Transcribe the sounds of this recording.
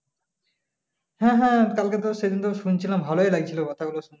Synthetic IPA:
hɛ̃ɦɛ̃kalket̪̬oʃed̪int̪oʃunt͡ɕʰilambʱaloelaɡ̚t͡ɕʰilokɔt̪ʰaɡuloʃun

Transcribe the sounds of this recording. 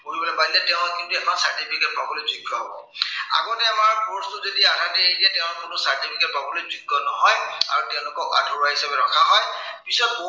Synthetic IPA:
koɹibɔlɛbailɛtɛʊ̃kintuɛkmansaɹtipʰikɛt̚pabɔlɔzuɡʱːɔɦɔbɔ̰ | a̰ɡonɛamaɹpɔstuzodiadʱatɛejdiatɛʊ̃nkʊnʊsaɹtipʰiket̚pabɔlojzuɡʱːɔnɔɦɔja̰ɹutɛʊ̃lʊkɔka̰tʰɔɹaɦisabɛɹɔkʰaɦɔj | pisɔt̚bo

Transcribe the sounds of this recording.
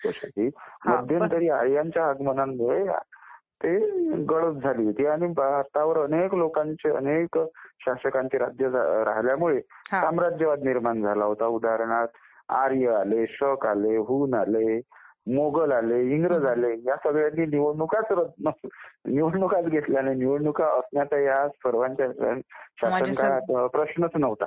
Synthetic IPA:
kasa̰ʈʰiːməd̪ʱjənt̪əɾiːaɾjaɲt͡ɕjaəɡmənanmuɭe | t̪eɡəɭət̪̚d͡zʱaliːɦot̪iːaɽ̃ibaɦaɾt̪aʋəɾəneklokãɲt͡ɕeə̰nekɕaɕəkãɲt͡ɕeɾad͡ʑjəd͡za̰ɾa̰ɦljamuɭessamɾad͡ʑjəʋat̪niɾmand͡zʱalaɦot̪aud̪ʱaɾɽ̃at̪ | a̰ɾjəaleɕəkaleɦuːnale | moɡəlaleiŋɡɾəd͡zʱalejasəɡɭjanːiːniʋənukat͡sɾəd̪nəniʋəɽnukat͡sɡʱet̪ljananiʋəɽɳukaʔəsnjat̪ajasfəɾʋaɲt͡ɕa̰ɕasənkat̪pɾəɕɳət͡snəʋt̪a̰

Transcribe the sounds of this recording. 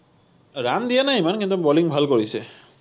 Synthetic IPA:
ɾand̪ijanaɦjmankint̪ubɔliŋbʱalkɔɹise

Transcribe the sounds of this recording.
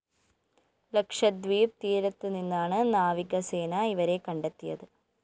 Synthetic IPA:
lɐkʂɐd̪ʋiːɾt̪iːɾɐt̪ːɨninːaːɳɨnaːʋiɡɐseːnɐiʋɐɾe̞kːɐɳɖet̪ːijɐðɨ

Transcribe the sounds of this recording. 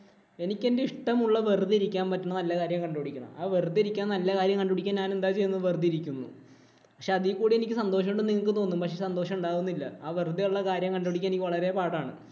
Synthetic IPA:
e̞nikʲːe̞nde̞iʂʈɐmuɭːɐʋerd̪iiɾikʲːaːnpɐtːuɳɐnɐlːɐkaːɾjɐmkɐɳɖoɽikʲːuɳɐ̰maːʋerd̪ieɾikʲːaːnɐlːɐkaːɾjɐmŋkɐɳɖoɽikʲːaːnɲaːne̞nd̪aːt͡ɕe̞junɐʋerd̪iiɾikʲːunːṵ | pɐkʂeɐðijkːuːɽie̞nikʲːɨsɐnd̪o̞ːʂɐmoɳɖeniŋːɐɭk̬ːɨt̪o̞ːnːumpɐkʂesɐnd̪o̞ːʂɐmuɳɖaːɣunːilːɐ̰aːʋerd̪ijuɭːɐkaːɾjɐmkɐɳɖoɽikʲːnenikʲːɨʋɐɭɐɾe̞paːɽaːɳɨ̰

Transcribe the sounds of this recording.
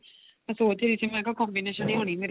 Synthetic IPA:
əsoːt͡ʃːd̪isiːmɛ̃ːkakɔ̃ːmbineːʃənːĩːɦoːɳ̃iːmeːɾ

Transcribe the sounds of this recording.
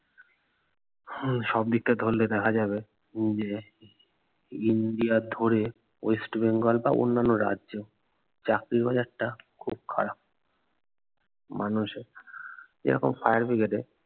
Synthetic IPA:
ʃɔb̚d̪ik̚ʈad̪ʱolːed̪ɛkʰad͡ʑaβe | d͡ʑe | inɖiad̪ʱoɾe | ojsʈbeŋɡolba̰ʔo̰nːanːoɾa̰dʑo | t͡ɕakɾiɾbad͡ʑaɾʈakʰub̚kʰa̰ɾap̚ | manuʃeɾd͡ʑḛɾɔkomfajaɾfiɡeʈe

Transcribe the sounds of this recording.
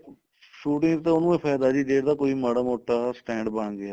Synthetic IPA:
ʃuːʈɪ̃ŋɡt̪ẽːʊnũːẽːpʰaːjd̪aːd͡ʒiːd̪eːɽd̪aːkoːiːməɽəmoːʈːaːsʈɛ̃ːɳɖbəɳɡɪaː

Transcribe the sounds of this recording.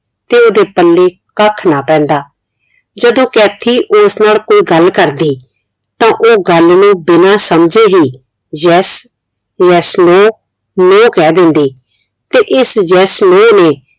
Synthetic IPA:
t̪eːoːd̪eːpəlːeː | kəkʰnaːpɛ̃ːnd̪aː | d͡ʒəd̪õːkɛːt̪ʰiːʔosnaːlkoːiːɡəlkəɾd̪iː | t̪ãːʔoːɡəlnũːbɪnaːsəmd͡ʒeːɦiː | d͡ʒɛːs | jɛːsloː | nõːkɛːd̪ɪ̃nd̪iː | t̪eːʔɪsd͡ʒɛːsloːneː

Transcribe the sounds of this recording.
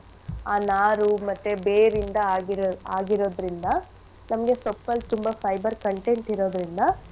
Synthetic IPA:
aːnaːɾumɐt̪ːebeːɾind̪ɐːɡiɾaːɡiɾo̞ːd̪ɾind̪ɐ | nɐmɐɡe̞sɔpːɐlt̪umbɐpʰɐjbɐɾkɐɳʈeɳʈiɾo̞ːd̪ɾind̪ɐ

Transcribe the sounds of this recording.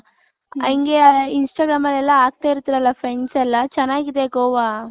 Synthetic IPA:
ɐ̰iŋɡeinsʈaːɡɾaːmɐlɛlːɐaːɡ̚t̪aːiɾt̪iɾɐlːɐpʰɾensɛlːɐt͡ʃɛnːaːɡid̪ekoːʋaː

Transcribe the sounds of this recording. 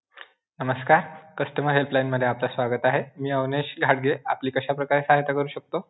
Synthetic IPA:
nəməskaɾkəsʈəməɾɦelplajnməd̪ʱːjeaplasʋaɡət̪aɦemiːəʋneɕɡʱaɽɡea̰pliːkəɕapɾəkaɾesaɦajt̪akəɾuːɕək̚t̪o

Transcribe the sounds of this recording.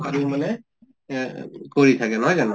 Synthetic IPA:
aɹimanɛ | koɹitʰakɛnakana

